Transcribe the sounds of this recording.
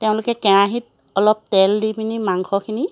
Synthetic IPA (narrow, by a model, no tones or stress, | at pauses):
teʊ̃lʊkɛkɛɹaɦit̚ | ɔlɔp̚tɛldibʰinimaŋkʰɔkʰini